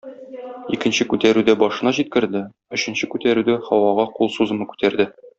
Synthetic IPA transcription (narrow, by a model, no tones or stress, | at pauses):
ikɘ̆nɕɘkʉt̪æɾʉd̪æbɒʃɤ̆nɑʑit̪̚kɘ̆ɾd̪ɘ | ɵ̆ɕɘ̆nɕɘkʉt̪æɾʉd̪æχɒwɑʁɑqulˠsuzɤ̆mɤkʉ̥t̪æɾd̪ɘ